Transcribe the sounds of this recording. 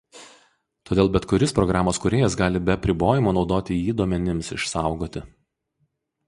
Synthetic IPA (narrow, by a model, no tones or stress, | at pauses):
t̪oːd̪ʲeːlˠbʲɛt̪kʊɾʲɪspɾɔɡɾɑːmoːskʊɾʲeːjɛsɡɑːlʲɪbʲɛɐpʲɾʲɪboːjɪmoːnɒʊd̪oːt̪ʲɪjiːd̪oːmʲɛnʲɪmsɪ̰ʃsɑˑʊɡoːt̪ʲɪ